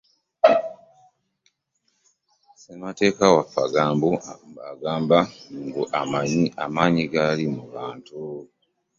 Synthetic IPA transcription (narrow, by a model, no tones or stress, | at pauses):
semate̞ːkawafːaɡaːmbumbaɡaːmbaŋɡuʔamaɲiamaːɲiɡalimuβaːntu